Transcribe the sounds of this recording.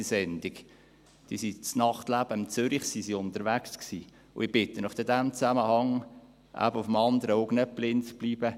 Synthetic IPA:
isɛnd̥̪ik | d̪̥isit͡snɑχt̪læb̥əɪmt͡søɾiχsisiʊnt̪əɾvæksksi | ʊ̰ɪb̥ɪt̪ːənʊfd̥əd̪æmt͡sæməhɑŋ | ʔæ̰bəʊfəmɑnd̪əɾəoʊɡnɛplɪnt͡sb̥liːb̥ə

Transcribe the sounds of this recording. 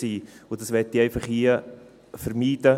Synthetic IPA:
iːʊd̥ɑsʋɛtːiɛɪfɑχiə | fəɾmiːdə

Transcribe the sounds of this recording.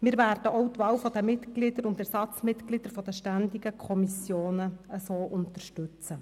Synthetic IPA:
mɪːɾvæːɾd̥əʔɔʊtʋɑːwfɔd̥̪əmɪtɡ̥lidəɾʊndæɾsɑt͡smɪtɡ̥lid̥əɾfɔd̥̪əʃtænd̪iɡəkʰɔmisjoːnəəsoːʔʊnt̪ərʃtʉt͡sə

